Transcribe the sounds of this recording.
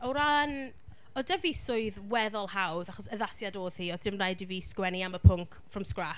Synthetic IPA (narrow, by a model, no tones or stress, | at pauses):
ɔwɾan | ɔdɛvisʊɨðwɛðɔlˠhawðaχɔsəðasjadoːð̥hiɔd̥ɪmrajdɪviskwɛniaməpʰʊŋkʰfrɔmskra